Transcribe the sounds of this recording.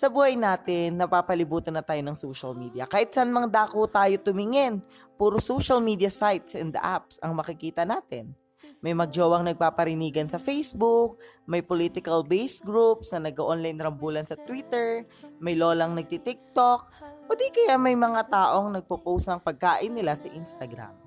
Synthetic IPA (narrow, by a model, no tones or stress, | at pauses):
sɐbuːhɐjnaːt̪ɪnːɐpaːpɐlɪbuːt̪ɐnɐt̪aːjonɐŋsoːʃɐlmiːd̪ijɐkaːhɪt̪̚sɐnmɐŋd̪aːkot̪aːjo̞t̪ʊmɪŋɛn | puːɾosowʃɐlmiːd̪ijɐsajt̪sʔɛnd̪ɐ̰ʔap̚sʔɐŋmɐkɪkiːt̪ɐnaːt̪ɪn | mɐjmɐɡ̚d͡ʒoːwɐŋnɐɡ̚paːpɐɾɪniːɡɐnsɐfejsbuk̚mɐjpolit̪ɪkɐlbejsɡɹupsnɐnɐɡ̚kɐʔonlajnɾɐmbuːlɐnsɐt̪wit̪ɛɹ | mɐjloːlɐŋnɐɡ̚t̪it̪ik̚t̪ok̚od̪ikɐjamɐjmɐŋat̪aːʔo̞ŋnɐɡ̚popowsɐŋpɐɡ̚kaːʔɪnːɪlasɐʔinst̪ɐɡɾa̰m